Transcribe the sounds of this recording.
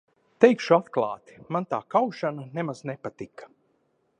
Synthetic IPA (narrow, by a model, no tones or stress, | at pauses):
t̪ɛjkʃuat̪klˠa̰ːt̪i̥mant̪aːkawʃananɛmaznepat̪ikḁ